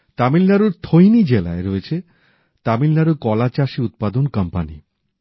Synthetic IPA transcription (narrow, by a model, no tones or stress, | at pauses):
t̪amilnaɾuɾt̪ʰojnid͡ʑela̰eɾɔet͡ɕʰe | t̪amilnaɾukɔlat͡ɕaʃiut̪̚pad̪onkʌmpanḭ